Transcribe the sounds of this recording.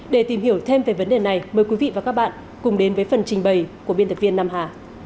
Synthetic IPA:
ɗe˧˩t̪i˨˩mhi˧˩əwt̪ʰe˧mve˨˩və˨˦nɗe˨˩na˨˩jməː˨˩jkwi˨˦vḭ˧˨vaː˨˩kaː˦˥k̚ɓa̰ː˧˨n | kʊ˨˩ŋ͡mɗe˨˦nvəː˨˦jfə˨˩nt͡ɕï˨˩ŋ̟ɓə˨˩jkəɓnt̪ʰə˨˩vi˧ənːaː˧mɦaː˨˩

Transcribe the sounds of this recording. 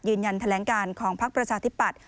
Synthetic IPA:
jɯː˧nja˧nt̪ʰa˧lɛː˩˦ŋkaː˧nkʰɔː˩˦ŋpʰa˦˥k̚pɾa˧t͡ɕʰaː˧t̪ʰi˦˥pːa˨˩t̪̚

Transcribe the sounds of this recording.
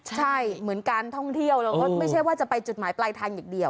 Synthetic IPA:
t͡ɕʰa˥˩jmɯ˩˦ənkaː˧nt̪ʰɔ˥˩ŋt̪ʰi˥˩əwlaː˧˥kɔː˥˩ma˥˩jt͡ɕʰjwaː˥˩t͡ɕa˨˩pa˧jt͡ɕu˨˩t̪̚maː˩˦jplaː˧jt̪ʰaː˧ŋjaː˨˩k̚di˧əw

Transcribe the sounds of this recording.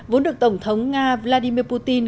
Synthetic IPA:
vo˨˦nɗɨ˨˩ək̚t̪ə˧˩wŋ͡mt̪ʰə˨˦wŋ͡mŋaː˧vlaː˧ɗi˧mi˧əpu˧t̪i˧n

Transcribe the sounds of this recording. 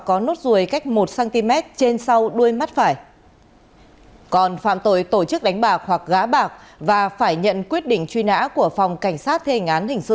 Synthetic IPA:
kɔ˨˦no˦˥t̚zu˨˩əjka˦˥jk̟̚mo˨˩t̚saː˧nt̪i˧mɛ˦˥t̚t͡ɕe˧nsa˧wɗu˧əjma˦˥t̚faː˧˩j | kɔ˨˩nfaː˧˨mt̪o˧˩jt̪o˧˩t͡ɕɨ˦˥k̚ɗa˨˦jŋ̟ɓaː˨˩k̚hwa˨˩k̚ɣaː˨˦ɓaː˨˩k̚vaː˨˩faː˧˩jɲə̰˧˨nkwi˦˥ət̚ɗḭ˧˨ŋ̟t͡ɕwi˧na̰ː˧˥ku˧˩əfɔ˨˩wŋ͡mka˧˩jŋ̟saː˦˥t̚t̪ʰe˧hi˨˩ŋ̟ʔaː˨˦nhï˨˩ŋ̟sɨ˧

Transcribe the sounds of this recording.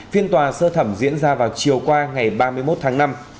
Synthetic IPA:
fi˧ənt̪waː˨˩səː˧t̪ʰə˧˩mzḭ˧˥ənzaː˧vaː˨˩wt͡ɕi˨˩əwkwaː˧ŋa˨˩jɓaː˧mɨ˧əjmo˦˥t̚t̪ʰaː˨˦ŋna˧m

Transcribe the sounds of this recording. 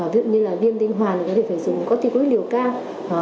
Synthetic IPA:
vḭ˧˨ɲɨ˧laː˨˩vi˧ənt̪ï˧ŋ̟ɦwaː˨˩n˨˩kɔ˨˦e˧˩˧zʊ̰˨˩ŋ͡mkɔ˨˦t̪i˧˩ku˨˦ɗi˨˩əwkaː˧w

